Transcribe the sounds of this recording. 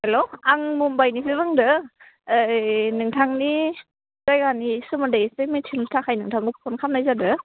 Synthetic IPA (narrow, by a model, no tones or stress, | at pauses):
eloaŋmumbajnipʰebɯŋdɯː | nɯŋtʰaŋni | z̥ajɡanisɯmadajsɯmitʰɯnutʰakʰajnɯŋtʰaŋɡɯpʰɔnkʰamnajzadɯ